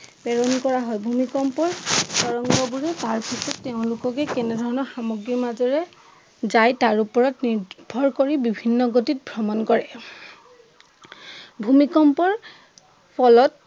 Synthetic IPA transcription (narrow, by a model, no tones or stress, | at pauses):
pɛɹɔnkɔɹaɦɔjbʱumikɔmpɔɹsɔɹɔŋɡɔbuɹɛtaɹpʰisɔtːeʊ̃lʊkɔkɛkɛnɛdʱɔɹɔnɔɹxamɔɡɹimazɔɹɛ | zajtaɹupɔɹɔtniɹbʱɔɹkoɹibibʱinːɔɡotit̚bʱɹɔmɔnkɔɹɛ | bʱumikɔmpɔɹ | pʰɔlɔt̚